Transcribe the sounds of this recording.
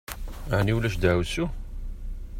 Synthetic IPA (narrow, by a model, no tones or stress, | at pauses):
əʕniwlæʃd̪æwsu